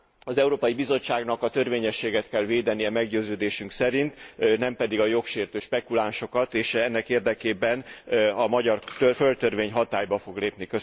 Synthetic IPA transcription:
ɒzɛuɾoːpɒjibizo̞t͡ʃːaːɡnɒkɒt̪ø̞rveːɲɛʃːeːɡɛt̪kɛlveːd̪ɛnijɛmɛɡɟøːzøːd̪eːʃyŋksɛɾint̪nɛmpɛd̪iɡɒjo̞kʃeːrt̪øːʃpɛkulaːnʃo̞kɒt̪eːʃɛnːɛkeːrd̪ɛkeːbɛnɒmɒɟɒrt̪øfø̞lt̪ørveːɲɦɒt̪aːjbɒfo̞ɡleːpnikø

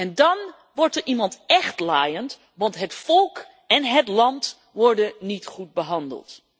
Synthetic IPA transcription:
ɛndɑn | ʋɔɹtəɹʔimɑntɛχtlaːjənt | ʋɑntɦətfɔlˠk | ɛnɦətlɑnt | ʋɔɹdənitχut̚bəɦɑndə̰lˠt

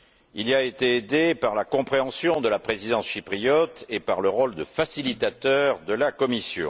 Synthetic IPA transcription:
iliaet̪eed̪epaʁlakɔ̃pχeɑ̃sjɔ̃d̪əlapχezid̪ɑ̃sʃipχijɔt̪epaʁləʁɔld̪əfasilit̪at̪œʁd̪əlakɔmisjɔ̰̃

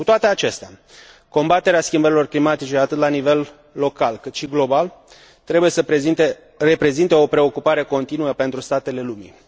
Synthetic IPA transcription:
kut̪oat̪e̞at͡ʃe̞st̪ea | ko̞mbat̪e̞ɾeaskʲimbəɾilo̞rklimat̪it͡ʃe̞at̪ɨt̪lanive̞lː | o̞kalkɨt̪ʃiɡlo̞bal | t̪ɾebuje̞səpeit̪e | ɾe̞pɾe̞zint̪eo̞pɾe̞o̞kupaɾe̞ko̞nt̪inuəpe̞nt̪ɾust̪at̪e̞le̞lumḭ

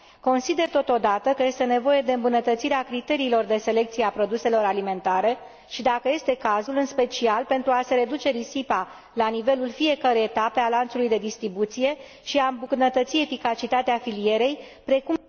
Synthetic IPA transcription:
ko̞nsid̪e̞rt̪o̞t̪o̞d̪at̪əkəje̞st̪e̞ne̞vo̞je̞d̪e̞ɨmbunət̪ət̪siɾeakɾit̪e̞ɾiːlo̞rd̪e̞se̞le̞k̚t̪sijeapɾo̞d̪use̞lo̞ɾalime̞nt̪aɾe̞ | ʃid̪akəje̞st̪e̞kazulɨnspe̞t͡ʃialpe̞nt̪ɾuase̞ɾe̞d̪ut͡ʃe̞ɾisipa | lanive̞lulfie̞kəɾejet̪ape̞alant̪sulujd̪e̞d̪ist̪ɾibut̪sije̞ | ʃiaɨmbuknət̪ət̪sie̞fikat͡ʃit̪at̪eafilije̞ɾe̞jpɾe̞kum

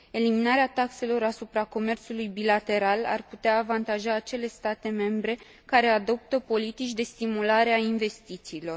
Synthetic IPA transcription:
e̞liminaɾeat̪akse̞lo̞ɾasupɾako̞me̞rt̪sulujbilat̪e̞ɾala̰rput̪eaːvant̪aʒaːt͡ʃe̞le̞st̪at̪e̞me̞mbɾe̞ | kaɾe̞ad̪o̞p̚t̪əpo̞lit̪it͡ʃʲd̪e̞st̪imulaɾeainve̞st̪it̪siːlo̞r

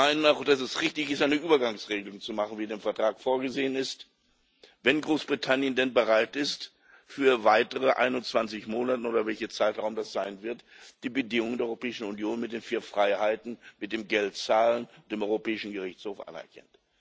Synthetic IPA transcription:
maɪnənaʊxd̥asɛsʁɪçtɪçɪstʔaɪnəʔyːbɐɡaŋsʁeːɡəlʊŋt͡sumaχn̩viːdeːmfɛɐtʁ̥aːkfoːɐɡəzeːənɪst | vɛnɡʁoːsb̥ʁitʰanjəndɛnbəʁaɪtɪst | fyːɐvaɪtəʁəʔa̰ɪnʊnt͡sv̥ant͡sɪçmoːnatəoːdɐvɛlçɐt͡saɪtʁ̥aʊmdasz̥aɪnvɪɐtd̥iːbədɪŋʊŋəndeɐɔʏʁopʰɛːɪʃn̩unjoːnmɪt̚d̥eːnfiːɐfʁ̥aɪhaɪtn̩mɪt̚d̥eːmɡɛltt͡saːlənd̥eːmɔʏʁopɛːɪʃn̩ɡəʁɪçt͡shoːfʔa̰nɛ̰ɐkʰɛ̰nt

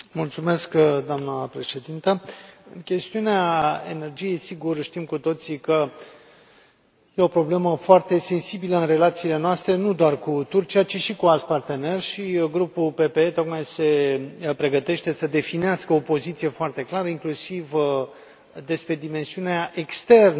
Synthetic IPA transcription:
mult̪sume̞skd̪oamnəpɾe̞ʃe̞d̪int̪əɨnkʲe̞st̪iuneae̞̰ne̞rd͡ʒije̞jsiɡurʃt̪imkut̪o̞t̪sikə | je̞o̞pɾo̞ble̞məfoart̪e̞se̞nsibiləɨnre̞lat̪siːle̞noast̪ɾe̞nud̪oarkut̪urt͡ʃiat͡ʃiʃikualt̪part̪e̞ne̞rʃiɡɾupulpe̞peet̪o̞kmajse̞pɾe̞ɡət̪e̞ʃt̪e̞səd̪e̞fineaskəopo̞zit̪sije̞foart̪e̞klaɾəiŋklusiv | d̪e̞spɾe̞d̪ime̞nsiuneaʔe̞kst̪e̞rn

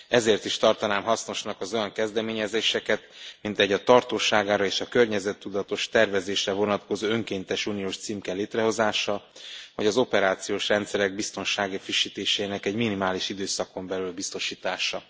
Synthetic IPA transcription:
ɛzeːrt̪iʃt̪ɒrt̪ɒnaːmɦɒsno̞ʃnɒkɒzo̞jɒŋkɛzd̪ɛmeːɲɛzeːʃɛkɛt̪mint̪ɛɟːɒt̪ɒrt̪oːʃaːɡaːɾɒeːʃɒkørɲɛzɛt̪ːud̪ɒt̪o̞ʃt̪ɛrvɛzeːʃrɛvo̞nɒt̪ko̞zoːøŋkeːnt̪ɛʃuːnijoːʃt̪siːmkɛleːt̪rɛɦo̞zaːʃɒvɒɟɒzo̞pɛɾaːt̪sijoːʃrɛnt̪sɛɾɛɡ̚bist̪o̞nʃaːɡifiʃːiːt̪eːʃɛinɛkɛɟminimaːliʃid̪øːsɒko̞mbɛlylbist̪o̞ʃiːt̪aːʃɒ

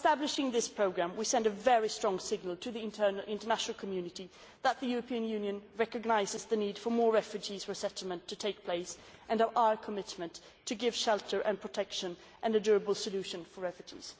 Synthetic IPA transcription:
stæblɨʃɪ̃ŋðɪspʰɹ̥oʊɡɹæ̃mwisɛ̃ndɨvɛɹistɹ̥ɔ̃ŋsɪɡ̚nəl̩ˠtʰɨðiɪ̃ntʰəɪ̃ntə˞næʃnl̩ˠkʰəmjʉnɨɾi | ðət̪̚ðɨjʉɹɨpʰiɨ̃njʉ̃njɨ̃nɹɛkɨɡ̚naɪzɨzðɨnid̥fə˞mɔɹɹɛfjʉd͡ʒizɹəsɛɾl̩ˠmə̃ntʰɨtʰeɪk̚pʰl̥eɪsʔɨ̃nəʔaə˞kʰəmɪtmɨ̃ntʰːɨɡɪv̥ʃɛlˠtʰə˞ʔɨ̃npʰɹ̥ɨtʰɛkʃɨ̃n | ʔɨ̃nɨdʊɹəbəl̩ˠsɨlʉʃɨ̃nfə˞ɹɛfjɨd͡ʒḭz̥

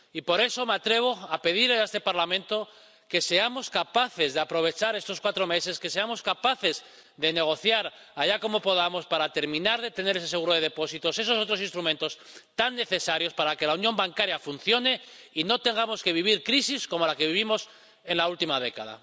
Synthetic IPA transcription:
ipo̞ɾe̞so̞me̞at̪ɾe̞β̞o̞ape̞ð̞iɾleaest̪e̞paɾlamẽ̞nt̪o̞ | ke̞se̞amo̞skapaθe̞zðeapɾo̞β̞e̞t͡ʃaɾe̞st̪o̞skwat̪ɾo̞me̞se̞ske̞se̞amo̞skapaθe̞z | ðe̞ne̞ɣ̞o̞θjaɾaʎako̞mo̞po̞ð̞amo̞spaɾat̪e̞ɾmĩnaɾðe̞t̪e̞ne̞ɾes̬e̞s̬eɣuɾo̞ðe̞ðepo̞sit̪o̞se̞s̬o̞s̬o̞t̪ɾo̞sinst̪ɾumẽ̞nt̪o̞s | t̪anːe̞θe̞saɾjo̞spaɾake̞launjo̞mbaŋkaɾjafunθjo̞ne̞ino̞t̪eŋɡamo̞ske̞βiβ̞iɾkɾisisko̞mo̞lake̞βiβ̞imo̞s | e̞nlault̪imað̞e̞ka̰ð̞a̰

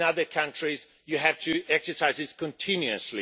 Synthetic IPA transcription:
nʌðə˞kʰʌ̃nt͡ʃɹ̥iz | jɨɦæv̥tʰɨɛksə˞saɪzɪskʰə̃ntʰɪ̃njʉɨsli

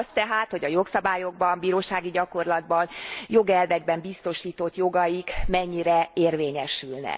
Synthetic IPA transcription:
st̪ɛɦaːt̪ho̞ɟɒjo̞ksɒbaːjo̞ɡ̚bɒmbiːɾoːʃaːɡiɟɒko̞rlɒd̪bɒnjo̞ɡɛlvɛɡ̚bɛmbist̪o̞ʃiːt̪o̞t̪jo̞ɡɒjikmɛɲːiɾɛeːrveːɲɛʃylnɛ̰

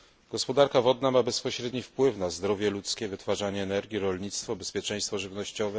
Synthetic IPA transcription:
ɡ̥ɔspɔd̪aɾkavɔd̪namabɛspɔɕɾɛd̪ɲifpwɘfnazd̪ɾɔvʲjɛlut̪skʲɛvɘt̪faʐaɲɛːnɛɾɡʲiɾɔlɲit̪st̪fɔbɛspʲjɛt͡ʂɛ̃j̃st̪fɔʐɘvnɔɕt͡ɕɔvɛ

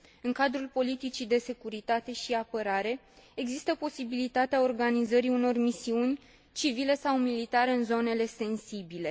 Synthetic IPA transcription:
ɨŋkad̪ɾulpo̞lit̪it͡ʃid̪e̞se̞kuɾit̪at̪e̞ʃiapəɾaɾe̞ | eɡzist̪əpo̞sibilit̪at̪eao̞rɡanizəɾiuno̞rmisiunʲ | t͡ʃivile̞sawmilit̪aɾe̞ɨnzo̞ne̞le̞se̞nsibile̞

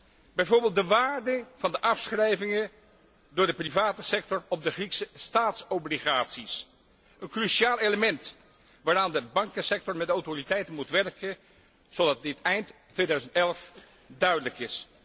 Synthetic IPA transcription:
bɛjvoːɹbɪːlˠt̚dəʋaːɹdəv̥ɑndəʔɑfsχrɛjvɪŋə | dʊːɹdəprivaːtəsɛk̚tɔrɔb̚dəχriksəstaːtsɔbliχaːtsis | ʔənkryʃiaːlˠejləmɛnt | ʋaːɾaːndəbɑŋkənsɛk̚tɔɹmɛtdawtoritɛjtənmutʋɛrkən | z̥owdɑt̚dɪtɛjnttːʋeːdœɥzəntɛlˠəf | dœɥdələkɪs

